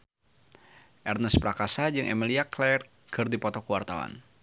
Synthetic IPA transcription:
ʔɛrnəspɾakasad͡ʒɨŋʔɛmiliaklɛr | kɨrdipɔt̪ɔkəwart̪awa̰n

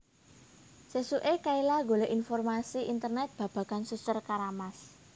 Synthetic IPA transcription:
sesuʔekailaɡoleʔinfɔrmasiʔint̪ərnɛt̪̚b̥ä̤b̥ä̤kansusərkaɾamas

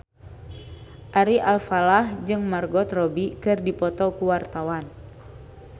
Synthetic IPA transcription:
ʔaɾiʔalfalahd͡ʒɨŋmarɡɔt̪rɔbikɨrdipɔt̪ɔkuwart̪awan

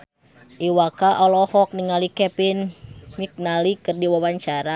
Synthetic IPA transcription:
ʔiwakaʔɔlɔhɔk̚niŋalikɛpinmik̚nalikɨrdiwawaɲt͡ʃaɾa

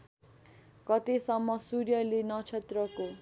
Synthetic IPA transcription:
kʌt̪esʌmːʌsuɾjʌlenʌt͡sʰet̪rʌko

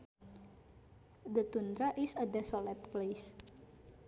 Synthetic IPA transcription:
d̪ət̪und̪ɾaʔisədɛsolɛt̪̚ples

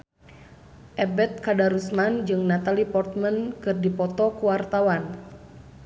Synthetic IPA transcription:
ʔɛbɛt̪̚kadaɾusmand͡ʒɨŋnat̪alipɔrt̪̚mənkɨrdipɔt̪ɔkuwart̪awan

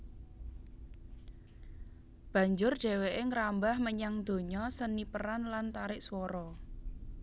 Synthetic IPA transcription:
b̥ä̤ɲd͡ʒʊr̥ʒ̥ɛ̤weʔeŋəɾambahməɲaŋd̪̥o̤ɲɔsənipəɾanlant̪aɾɪʔswɔɾɔ

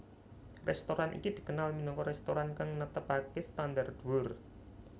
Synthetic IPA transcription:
rʔɛ̰st̪oɾanʔḭkid̪̥i̤kənalminɔŋkɔɾɛst̪oɾankaŋnət̪əpakest̪and̪ard̪̥uwʊr

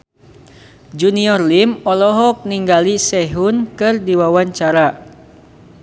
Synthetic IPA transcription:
d͡ʒuniɔrlimɔlɔɦɔk̚niŋɡalisɛɦunkɨrdiwawaɲt͡ʃaɾa

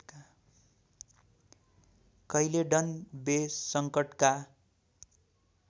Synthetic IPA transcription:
kʌileɖʌnbesʌŋkʌʈka

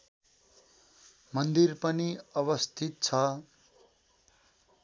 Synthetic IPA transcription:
mʌnd̪irpʌniʌβʌst̪ʰit̪̚t͡sʰʌ

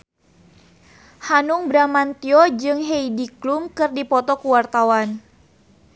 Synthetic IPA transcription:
hanuŋbɾamant̪iod͡ʒɨŋɦeidiklumkɨrdipɔt̪ɔkuwart̪awan

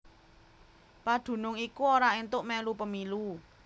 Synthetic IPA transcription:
pad̪̥ṳnʊŋikuoɾaent̪ʊʔmɛlupəmilu

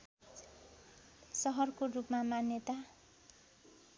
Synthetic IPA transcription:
sʌɦʌrkorupmamanjʌt̪a

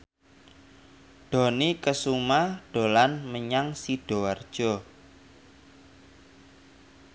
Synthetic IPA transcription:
ɖ̥ɔ̤nikəsumahɖ̥o̤lanməɲaŋsiɖ̥ɔ̤ward̥ʒ̥ɔ

